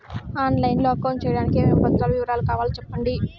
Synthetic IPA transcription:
aːnlɐjnloːɐkːɐwnt͡ʃɛːjɐɽaːnikebɐt̪ːɾaːluʋiʋɐɾaːlukaːʋaːlut͡ʃɛpːɐɳɖi

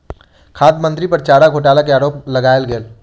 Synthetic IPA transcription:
kʰaːd̪mə̃nt̪ɾipɐɾt͡ʃaːɾaɡʱoːʈaːlakeaːɾoːplɐɡaːjlɡeːl

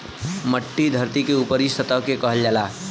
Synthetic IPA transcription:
məʈːid̪ʱəɾt̪ikeupəɾisət̪əɦkekəɦəld͡ʒaːlaː

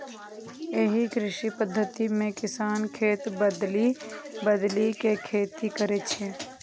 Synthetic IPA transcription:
eɦikɾɪʃipəd̪ʱːət̪imẽkɪsaːnkʰeːt̪bəd̪libəd̪likekʰeːt̪ikəɾet͡ʃʰeː

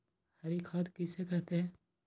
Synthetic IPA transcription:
hɐɾikʰaːd̪kisekɐt̪e

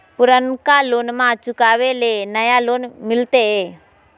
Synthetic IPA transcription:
pʊɾənkaloːnmãt͡ʃʊkaːʋelenəjaloːnmɪlt̪eɦe

